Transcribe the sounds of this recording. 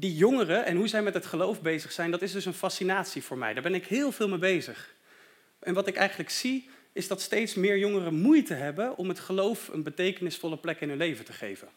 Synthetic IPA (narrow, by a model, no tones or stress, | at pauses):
dijɔŋərəʔɛnɦuzɛjmɛtɦətχəlowfbejzəχsɛjndɑtɪzdɵsənfɑsinaːtsiv̥ʊːɹmɛ̰jdaːɹbɛnɪkɦɪːlˠvɪːlˠmejbejzəχ | ɛnʋɑtɪkɛ̰jχənləksi | ɪzdɑtstejtsmɪːɹjɔŋərəmujtəɦɛbəʔɔ̰mɦətχəlowfə̰nbətejkənɪsfɔlˠəplɛkɪnɦɵnlejvəntəχḛjvən